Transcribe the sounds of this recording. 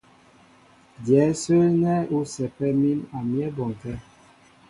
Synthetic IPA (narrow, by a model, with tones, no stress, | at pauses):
djɛ˨˦sə˦nɛ˦u˦sɛ˨pɛ˦mi˦na˨mjɛ˦bɔ˨ŋ˨tɛ˦